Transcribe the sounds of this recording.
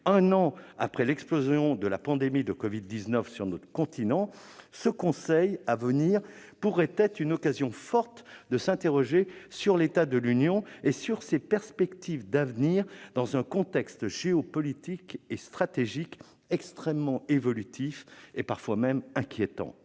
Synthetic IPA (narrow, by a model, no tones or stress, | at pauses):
ɛ̃nɑ̃a̰pχɛlɛksplozjɔ̃d̪əlapɑ̃d̪emid̪əkɔvid̪ːiznœfsyʁnɔt̪χəkɔ̃t̪ʰinɑ̃səkɔ̃sɛjavəniʁ | puʁɛt̪ɛt̪χynɔkazjɔ̃fɔʁt̪d̪əsɛ̃t̪eʁɔʒesyʁlet̪ad̪əlynjɔ̃esyʁsepɛʁspɛkt̪ivd̪avniʁd̪ɑ̃zɛ̃kɔ̃t̪ɛkst̪ʒ̥eɔpɔlit̪ikest̪χat̪eʒik | ɛkst̪χɛmːɑ̃evɔlyt̪ʰifepaʁfwamɛmɛ̃kʲjet̪ɑ̰̃